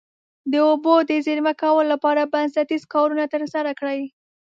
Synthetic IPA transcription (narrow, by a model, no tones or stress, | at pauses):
d̪əobod̪əziɾmakawəllapɑɾabansat̪izkɑɾunat̪əɾsaɾakɽəj